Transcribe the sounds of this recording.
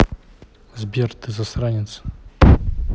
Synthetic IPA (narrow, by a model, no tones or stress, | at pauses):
zbʲjɛɾt̪ɨzasɾaɲʲɛt̪s